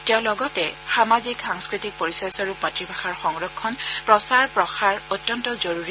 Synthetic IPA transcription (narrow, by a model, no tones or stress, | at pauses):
tɛʊ̃lɔɡɔtɛxamazikxaŋskɹitik̚poɹisɔjsɔɹupmatɹibʱaxaɹxɔŋɹɔkʰːɔnpɹɔsaɹpɹɔxaɹotːjɔntɔzoɹuɹi